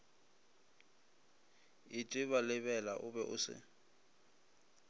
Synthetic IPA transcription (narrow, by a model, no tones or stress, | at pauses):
ɪtʼɪβalɪβɛlaʔʊbɛʔʊ̰sɪ̰